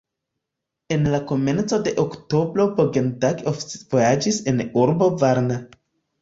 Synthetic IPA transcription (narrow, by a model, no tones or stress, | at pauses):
e̞nlako̞me̞nt͡so̞de̞ʔokto̞bɾo̞boɡe̞ntaɡofvojad͡ʒise̞nuɾbo̞vaɾna